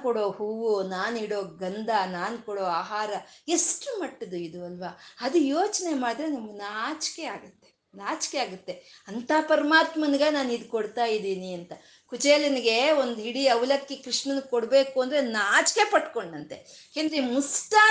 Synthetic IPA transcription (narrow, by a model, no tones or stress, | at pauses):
kɔɽoːhuːʋonaːniɽo̞ːɡɐnd̪ɐnaːnkɔɽoːaːɦaːɾɐesʈumɐʈːɐd̪uid̪uɐlʋɐɐd̪ujoːt͡ʃne̞maːɽd̪ɾenɐmːɐnaːt͡ʃke̞aːɡɐt̪ːe̞̥ | naːt͡ʃkeaːɡut̪ːe̞ɐnt̪ʰaːpɐɾɐmaːt̪mɐnɡɐnaːnid̪koɽt̪aːjid̪iːniɐnt̪ɐ | kud͡ʒeːlɐniɡe̞ond̪ɦiɽiɐʋlɐkːekɾiʂɳɐnkoɽbe̞ːkuɐnd̪ɾe̞naːt͡ʃke̞pɐʈko̞ɳːɐnt̪e | keːnd̪ɾeimusʈaː